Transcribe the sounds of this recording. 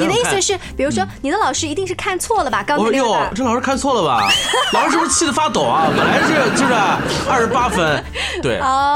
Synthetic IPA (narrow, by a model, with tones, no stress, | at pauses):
ni˨˩d̪ə˦i˥˧sə˧ʂɻ̩˥˩pi˨˩ɻu˧˥ʂ̬wɔ˥ni˨˩d̪ə˦lɑ˨˩ʊʂɻ̩˥i˧˥i˥˧ŋʂɻ̩˥˧kʰa˥˧nt͡sʰwɔ˥˩lə˨˩bɐ˩kɑ˥jo˥˩ʊʈ͡ʂɤ˥˩lɑ˨˩ʂɻ̩˥kʰa˥˧nt͡sʰwɔ˥˩lə˩bɐ̰˨˩lɑ˨˩ʂɻ̩˥ʂ̩˥˩˧t͡ɕʰi˥˩d̪ə˩fa˥t̪o˨˩˦ɐ˦pə̰˨nla˧˥ʂ̩˥˩t͡ɕjʂ̩˥˩ə˥˧˩ʂɻ̩˧˥pa˥fə˥n | t̪we˥˩ɪɔ˥˩